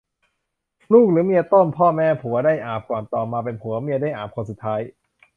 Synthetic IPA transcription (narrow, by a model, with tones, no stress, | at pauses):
luː˥˩k̚lɯː˨˩˦mi˧ət̪o˥˩npʰɔː˥˩mɛː˦˥˩pʰu˨˩˦ɐdaː˥˩jʔaː˨˩p̚kɔː˨˩nt̪ɔː˨˩maː˧pe˧npʰu˩˦ɐmi˧ədaː˥˩jʔaː˨˩p̚kʰɔː˧˩nsu˨t̪ʰːaː˦˥j